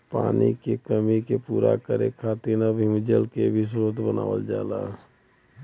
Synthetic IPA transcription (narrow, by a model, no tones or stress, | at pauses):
pa̰ːnikekəmikepuːɾa̰kəɾekʰaːt̪iɾnabʱĩmd͡ʒəlkebʱis̬ɾot̪bəna̰ːʋəld͡ʒaːla̰